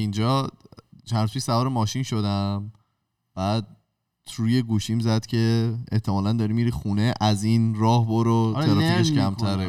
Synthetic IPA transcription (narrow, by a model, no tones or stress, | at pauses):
ind͡ʒɒːt͡ʃʰænɾuz̥pʰiʃsævɒːɾemɒːʃinʃod̪æm | b̥æːd̪̚ | t̪ʰɾuje̞ɡuːʃimzæd̪̥cʰe̞eht̪ʰemɒːlænd̪ɒːɾimiːɾiːxuːneʔæzinɾɒːhboɾoeɾfieʃcʰæmt̪ʰæɾe